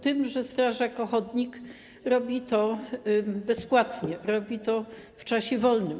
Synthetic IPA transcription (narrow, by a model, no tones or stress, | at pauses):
t̪ɘmʐɛst̪ɾaʐakɔxɔd̪ɲik | ɾɔbʲit̪ɔ | bɛspwat̪ɲɛɾɔbʲit̪ɔft͡ʂaɕɛvɔlnɘm